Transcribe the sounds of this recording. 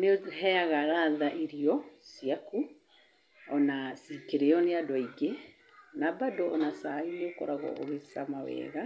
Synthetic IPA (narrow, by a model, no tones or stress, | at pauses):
neɦɛaɣaɾaðaʔiɾiɔsiaku | ɔnasikeɾeɔneadwɔiɡe | nabadoʔɔnasaineokɔ̰ɾaɣɔ̰ʔoɣesamawɛ̰ːɣa